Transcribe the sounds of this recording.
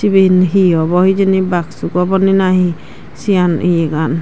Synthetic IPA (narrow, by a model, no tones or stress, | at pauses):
sibenɦiɔbɔhid͡ʒenibaksukɔbɔninaɦi | sianijeɡan